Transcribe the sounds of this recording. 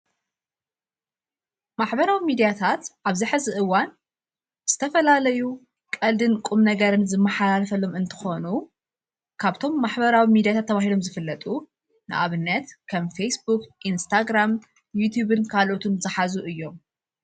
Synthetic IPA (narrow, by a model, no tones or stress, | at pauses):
maħbɐɾawimid̪ijat̪ʰat̪ʔaβziħɨzɨʔɨwːan | z̥ɨ̥t̪ʰɐfɐlalɐju | kʼɐld̪ɨnkʼumnɐɡɐɾɨnzɨmːɐħalalfɐlo̞mɨnt̪ʰɨ̥xo̞nu | kʰaβt̪ʰo̞mːaħbɐɾawimid̪ijat̪ʰat̪ːɐβaɦilo̞mzɨfɨlːɐt̪ʼu | nɨʔa̰βɨnːɐt̪kʰɐmfejsbukʔinst̪ʰaɡɾam | jut̪ʰjuβɨnkʰalo̞t̪ʰunzɨħazuʔɨjːo̞m